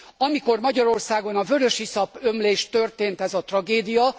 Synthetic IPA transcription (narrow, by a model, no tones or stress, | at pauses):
ɒmiko̞rmɒɟɒɾo̞rsaːɡo̞nɒvøɾøʃisɒpømleːʃt̪ø̞rt̪eːnt̪ɛzɒt̪rɒɡeːd̪ijɒ